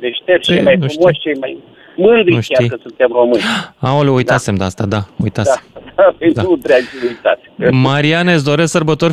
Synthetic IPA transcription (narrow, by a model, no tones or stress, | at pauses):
d̪eʃt̪et͡ʃejmajnufumoʃʲt͡ʃejmaj | mɨnd̪ɾiuʃtʲaijkəsunt̪emro̞mɨnʲaoleujt̪ase̞md̪ast̪ad̪aṵjt̪aeamd̪apend̪aɾut̪ɾeat͡ʃiujt̪a̰t̪sʲmaɾianes̬d̪o̞ɾesksərbət̪o̞rʲ